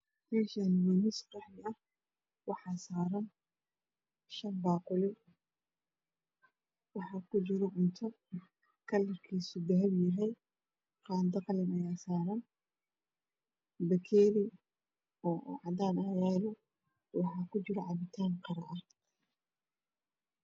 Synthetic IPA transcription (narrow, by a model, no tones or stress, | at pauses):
mɛːʃanwiːnɪsqɑħmɪɐh | wɑħɑːsaːɾɐn | ʃɐnbɑːqʊlɪ | wɑħɑːkʰʊt͡ʃɪɾɔʔʊnt̪ʰɐ | kʰɐlːɪrkʰiːsʊd̪ɐɦɐbjɐɦɛj | qɑːnd̪ɐqlɪnɐjaːsaːɾɐn | bɐkʰɛːɾi | ɔːʔʕɑdaːnajaːlɔ | wɑħɑːkʰʊt͡ʃɪɾɐʕɑβɪt̪ʰaːnqɑɾɐʔɐ